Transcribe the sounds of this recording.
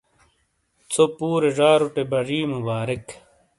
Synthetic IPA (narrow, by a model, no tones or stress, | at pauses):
t͡sopuːɾeʐaːɾuʈebɐʐiːmubaːɾik